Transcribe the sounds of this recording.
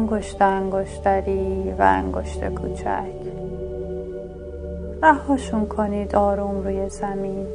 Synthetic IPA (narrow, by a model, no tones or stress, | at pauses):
ŋɡoʃt̪eæŋɡoʃt̪æɾiːvæ̰æ̰ŋɡo̰ʃt̪ʰḛkʰṵːt͡ʃʰæ̰cʰ | væhːɒːʃunkʰoniːd̪ɒːɾuːmɾuːjezæmiːn